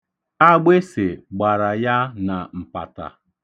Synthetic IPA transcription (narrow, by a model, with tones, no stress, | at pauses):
a˦ɡ͡be˦se˨ɡ͡ba˨ɾa˨ja˦na˨m̩˨pa̰˨ta̰˨